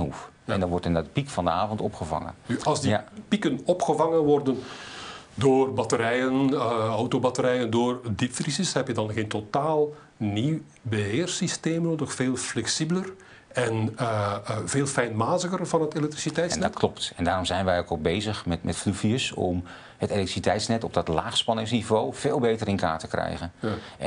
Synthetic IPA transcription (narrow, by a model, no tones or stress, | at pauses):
ṵf | ɛndɔnʋɔrtəndɔdpikfɑndəaːvɔntɔpxəva̰ŋə̰nyɑlˠzdipikənɔpxəvɑŋənʋɔrdən | doːrbɑtəɾɛjənɔwtobɑtəɾɛjəndoːrdifrisəshɛpjədɑnɣeːntotaːlˠ | niw | bəɦɪːrsisteːmnoːdəxfeːlˠflɛksibələr | ɛn | v̥eːlˠfɛjnmaːzəɣərvɑnɦətelɛk̚trisitɛjsnɛtkʰlɔptɛndaːrɔmzɛjnʋɛjokɔlˠbejzəxmɛtmɛtflyfiəsɔ̰m | hətelɛktri̥sitɛjtsnɛtɔb̚dɔtlaːxspɑnɪŋsnivoːv̥eːlˠbeːtərɪnka̰ːɹtə̥krɛ̰jɣən